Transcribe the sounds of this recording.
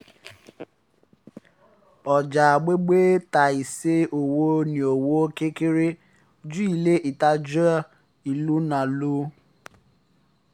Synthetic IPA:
ɔ˨d͡ʒa˨a˨ɡ͡be˦ɡ͡be˦ta˨i˨se˦o˨wo˦ni˨o˨wo˦ke˦kɪ˦ɾe˦ | d͡ʒu˦i˨le˦ʔi˨ta˦d͡ʒu˦a˦ | i˨lu˦na˨lu˦

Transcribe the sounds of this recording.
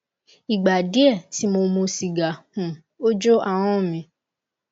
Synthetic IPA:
i˨ɡ͡ba˨di˨˦ɛ˦˨ti˨˦mo˧mũ˧si˨ɡa˨hũ˨ | o˦d͡ʒo˦a˦˨w̃ɔ̃˦˨mĩ˧˦

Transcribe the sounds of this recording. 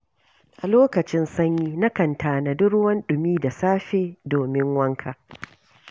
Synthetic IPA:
ʔa˨loː˦kɐ˨t͡ʃɪ˦nsɐ˦ɲjiː˦na˦kɐ˨ntʰaː˨na˨dʊ˦ɽwɐ˦nɗʊ˨miː˦da˨saː˦ɸeː˦˨doː˨mɪ˦ŋwɐ˦ŋkʰaː˨

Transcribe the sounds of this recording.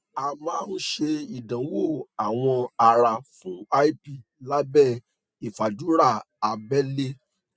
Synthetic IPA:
a˧mãː˦n̩˦ʃe˧i˨dã˨˦wo˦˨a˨w̃ɔ̃˧a˧ɾa˧fũ˨˦a˦i˦pi˦˨ | la˦bɛ˦˨ | i˨fa˨d͡ʒu˨˦ɾa˦˨ | a˧bɛ˦le˦

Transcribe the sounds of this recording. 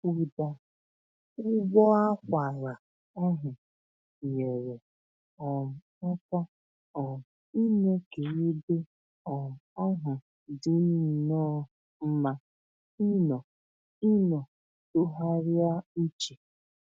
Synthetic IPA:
u˨da˨ | ʊ˦ɡ͡bɔ˦a˦kʷa˨ɾa˨ | ɔ˦ɦʊ˨ | ɲe˨ɾe˨ | ɔ˨m̩˨ | ɔ˦pɔ˦ | ɔ˨i˦ne˦ke˨e˦de˦ | ɔ˨ɔ˦ɦʊ˨ | dʊ˦ni˦˨nɔː˦ | m̩˦ma˦ | i˦nɔ˨ | i˦nɔ˨ | tʊ˦ɦa˦ɾɪ˦a˦i˦t͡ʃe˨

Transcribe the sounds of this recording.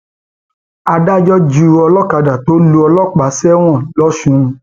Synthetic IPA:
a˧da˦d͡ʒɔ˦d͡ʒu˧ɔ˧lɔ˦ka˧da˨to˦lu˧˦ɔ˧lɔ˦˨k͡pa˨˦sɛ˦w̃ɔ̃˦˨lɔ˦ʃũ˧

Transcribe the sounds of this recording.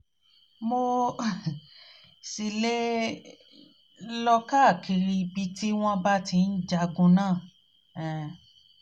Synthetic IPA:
mo˧ | si˨le˦ | lɔ˧ka˦˨ki˧ɾi˧bi˧ti˦w̃ɔ̃˦ba˦ti˧n̩˦d͡ʒa˧ɡũ˧nãː˦˨ | ɛ˨

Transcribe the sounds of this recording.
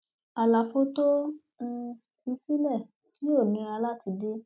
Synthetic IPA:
a˨la˨fo˧˦to˦ | n̩˧ | i˧si˦lɛ˦˨ | ki˦o˦˨nĩ˧˦˧a˧la˦ti˧de˦

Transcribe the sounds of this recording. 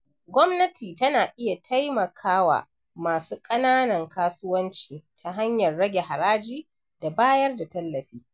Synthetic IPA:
ɡʷɔ˦mnɐ˦tiː˨tɐ˦naː˨ʔɪ˦ja˨tʰa˦jmɐ˨kʰaː˦wa̰˨ | maː˨suː˦kʼɐ˦naː˦nɐ˨ŋkaː˦sʊ˦wɐ˦nt͡ʃiː˨tʰa˨ɦa˦ɲjɐ˨rːɐ˦ɡʲe˨ha˨ɾaː˦d͡ʒiː˦ | d̥a˨baː˦jɐ˦rda˨tɐ˦lːɐ˨ɸiː˦

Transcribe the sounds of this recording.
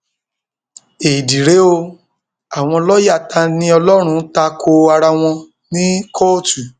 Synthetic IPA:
e˨i˨di˨ɾe˨˦o˧ | a˨w̃ɔ̃˧lɔ˦ja˦˨ta˧nĩ˦ɔ˧lɔ˦ɾ̃ũ˧˦ta˧kʰo˧a˧ɾa˧w̃ɔ̃˧ | nĩ˦kʰɔ˦˨tu˨

